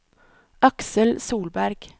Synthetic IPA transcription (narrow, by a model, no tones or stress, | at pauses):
ʔɑksəlsuːlbæɾɡ̥